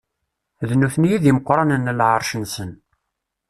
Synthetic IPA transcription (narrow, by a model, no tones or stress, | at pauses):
ðnuθənjiðiməqːɾˤɑnənːlʕɑɾˤʃənsən